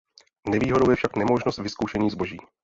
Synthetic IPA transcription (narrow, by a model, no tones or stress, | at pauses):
nɛviːɦo̞dowjɛfʃaknɛmo̞ʒnost̪vɪskowʃɛɲiːzbo̞ʒiː